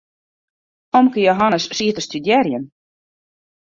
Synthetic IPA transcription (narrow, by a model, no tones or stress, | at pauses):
ɔmkəjoɦɑnəssiət̪əst̪ydjɛrjən